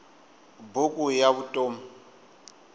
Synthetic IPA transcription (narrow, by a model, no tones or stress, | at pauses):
bʊkʼujaβutʼoːm̩